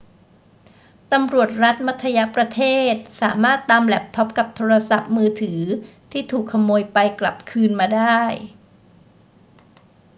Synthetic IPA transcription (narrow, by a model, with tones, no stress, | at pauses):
t̪a˧mɾu˨˩ət̪̚ɾa˦˥t̪̚ma˦˥t̪ʰːa˧ja˦˥pɾa˧t̪ʰeː˥˩t̪̚sa̰ː˩˦maː˥˩t̪ːaː˧mlɛ˨˩p̚t̪ʰɔ˦˥p̚ka˨˩p̚t̪ʰoː˧ɾa˧sa˨˩p̚mɯː˧t̪ʰɯː˩˦t̪ʰiː˥˩t̪ʰuː˨˩kʰːa˧mːoː˧jpa˧jkla̰˨˩p̚kʰɯː˧nmaː˧daː˥˩j